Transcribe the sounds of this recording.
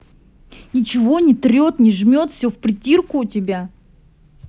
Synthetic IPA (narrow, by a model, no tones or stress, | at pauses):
nʲɪt͡ɕɪvo̞nʲɪt̪ɾʲo̞t̪nʲɪʐmʲot̪fsʲofpɾʲɪtʲirkʊːtʲɪbʲa